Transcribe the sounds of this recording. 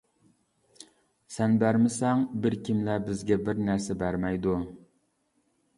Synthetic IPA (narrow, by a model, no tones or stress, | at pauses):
sɛnbæɾmɪsɛŋbɪɾkʲʰimlæbɪzɡʲɛbɪɾnæɾsɛbæɾmɛjd̪u